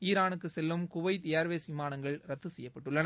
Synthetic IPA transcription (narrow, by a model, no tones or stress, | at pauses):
iːɾaːnɯkːɯsɛlːɯmkʊʋɐɪt̪eːɾʋeːsʋɪmaːnɐŋɡɐɭɾɐt̪ːɯsɛjːɐpːɐʈːɯɭːɐn